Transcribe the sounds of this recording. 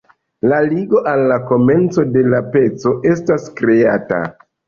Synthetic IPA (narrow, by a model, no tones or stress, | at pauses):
laliɡo̞ʔalːako̞me̞nt͡so̞de̞lape̞t͡so̞ʔe̞staskɾe̞ata̰